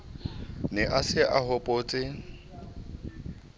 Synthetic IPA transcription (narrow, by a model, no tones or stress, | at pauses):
nɛʔasɪʔahɔpʼoːt͡sʼɪ